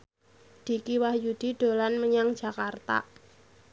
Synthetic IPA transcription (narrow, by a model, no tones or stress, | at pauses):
d̪̥i̤kiwahjud̪̥i̤ɖ̪̥o̤lanməɲaŋd̥d͡ʒ̥a̤kart̪a̰